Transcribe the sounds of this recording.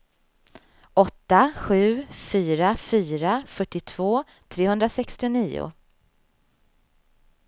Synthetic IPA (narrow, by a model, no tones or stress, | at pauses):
ʔɔt̪ːaɧʉ̟ːfyːɾafyːɾafœʈːɪt̪ʰv̥oː | t̪ʰɾeːhɵnd̪ɾasɛkst̪ɪʊniːʊ̰